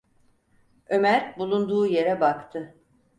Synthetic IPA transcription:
ø̞mæɾbulˠund̪uːje̞ɾɛbakt̪ʰɯ

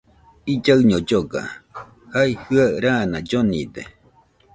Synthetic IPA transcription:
id͡ʒaɨɲod͡ʒoɡa̰ | haihɯaɾanad͡ʒonḭd̪ḛ

